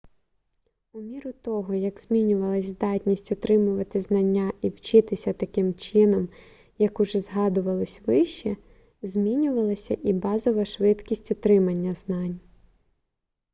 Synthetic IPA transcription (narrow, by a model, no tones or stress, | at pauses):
ʊmʲiɾʊt̪ɔɦɔjɐkz̥ʲmʲinʲʊʋɐlˠɐsʲzd̪ɑtʲnʲisʲtʲʊt̪ɾɪmʊʋɐt̪ɪznɐnʲːaʔiwt͡ʃɪt̪ɪsʲɐt̪ɐkɪmt͡ʃɪnɔm | jɐkʊʒɛzɦɑd̪ʊʋɐlˠɔsʲʋɪʃt͡ʃɛ | zʲmʲinʲʊʋɐlˠɐsʲɐʔibɑzɔʋɐʃʋɪd̪kʲisʲtʲʊt̪ɾɪmɐnʲːɐznɑnʲ